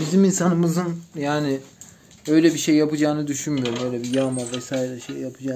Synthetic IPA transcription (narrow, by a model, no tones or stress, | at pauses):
biziminsanɯmɯzɯnjaːnɪ | ø̞jlʲɛbiʃe̞jːapɯd͡ʒaːnɯd̪yʃynmyjo̞ɾumø̞jlʲɛbijamavɛsaːiɾɛʃḛjːapʰɯd͡ʒaː